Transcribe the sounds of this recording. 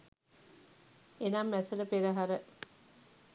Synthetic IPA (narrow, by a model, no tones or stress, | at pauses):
enamːæsələpeɾəɦaɾə